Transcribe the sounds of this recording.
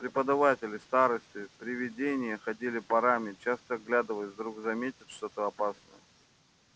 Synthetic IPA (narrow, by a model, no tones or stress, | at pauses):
pɾʲɪpəd̪ɐvatʲɪlʲɪst̪aɾəsʲtʲɪpɾʲɪvʲɪdʲenʲɪjəxɐdʲilʲɪpɐɾamʲɪt͡ɕast̪əɡlʲad̪əvəsʲd̪ɾuɡzɐmʲetʲɪt̪ʲʂt̪ot̪əɐpasnə̰jə